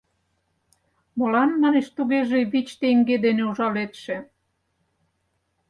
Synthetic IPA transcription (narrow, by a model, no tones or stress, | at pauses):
mŏlɑnmɑneʃt̪uɣeʒeβit͡ɕt̪eŋɡed̪eneuʒɑlet̪ʃĕ